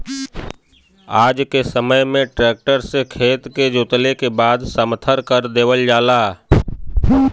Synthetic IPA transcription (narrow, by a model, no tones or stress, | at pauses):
aːd͡ʒkesəməjmẽʈɾɛːk̚ʈəɾsekʰeːt̪ked͡ʒoːt̪lekebaːd̪səmət̪ʰəɾkəɾd̪eːʋəld͡ʒaːlaː